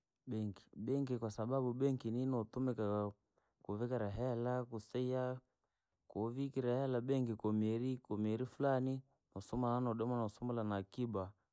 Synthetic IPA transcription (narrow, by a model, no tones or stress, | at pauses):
ɓɛŋki̥ɓɛŋkikwasaɓaɓuɓɛŋkininɔtumɛka | kuvikaɾaɦɛlakusɛia | kuvikiɾahɛlaɓɛŋkikɔmiɛɾikɔmɛɾifulani | nɔsɔmalanɔɗɔmanɔsɔmalanakiba